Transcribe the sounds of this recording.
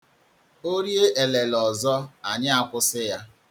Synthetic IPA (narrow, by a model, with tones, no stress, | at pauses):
o˦ɾje˦ʔe˨le˨lɔ˨zɔ˦a˨ɲɪ˦a˦kʷʊ˦sɪ˦ja˦